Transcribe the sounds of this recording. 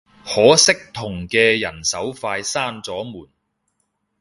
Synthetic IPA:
hɔː˨˥sɪ˥k̚t̪ʰʊ˨˩ŋkɛː˧jɐ˨˩nsɐ˨˥wfaː˧jsaː˥nt͡sɔː˨˥muː˨˩n

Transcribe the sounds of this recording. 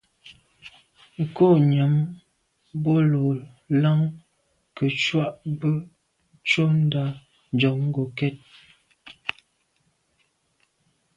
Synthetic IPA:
ŋ̩˨ko˦˨ɲa˨˦m | bo˦lo˨ | la˦ŋ | kə˨t͡ʃwa˦ʔbə˦ | t͡ʃo˦n̩˦da˦ | d͡ʒɔ˨˦ŋŋ˦ɡo˨kɛ˦˨t̚

